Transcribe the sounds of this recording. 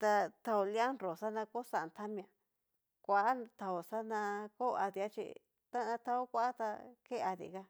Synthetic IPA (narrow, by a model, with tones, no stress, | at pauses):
t̪a˧t̪ʰa˧o˧li˦a˦nɾo˨sa˦nã˧ko˦sa˧˨nt̪ʰa˦mĩ˧ã˧ | kʷa˨ʔa˦t̪ʰa˧o˨sa˦nã˧ko˦˧a˧ða˦t͡ʃḭ˧ | t̪a˦nã˧t̪ʰa˧o˦kʷa˦a˦t̪a̰˧ke˦a˧ðḭ˨ka˧